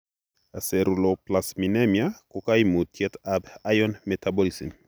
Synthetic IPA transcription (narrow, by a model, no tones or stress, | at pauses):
asɛɾuloplasminɛmjakʊkajmutʰjɛtabajɔnmɛtʰabɔlisḭm